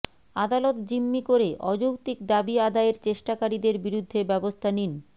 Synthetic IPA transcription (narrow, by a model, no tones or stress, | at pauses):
ad̪alot̪d͡ʑimːikoɾeʔɔd͡ʑukt̪ikd̪abiad̪aeɾt͡ɕeʃʈakaɾid̪eɾbiɾud̪ʱːebɛbost̪ʰanin